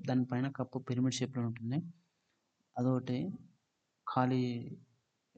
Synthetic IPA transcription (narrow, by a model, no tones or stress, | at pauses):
d̪aːnipɐjnɐkɐpːupeɾmiʈt͡ʃeːpluuɳʈund̪i | ɐd̪oːʈi | kʰaːli